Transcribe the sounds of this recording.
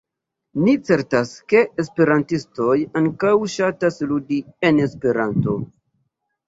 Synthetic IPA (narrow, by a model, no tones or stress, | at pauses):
nit͡se̞ɾtaske̞espe̞ɾantisto̞jaŋkawʃatasludiene̞spe̞ɾanto̞̰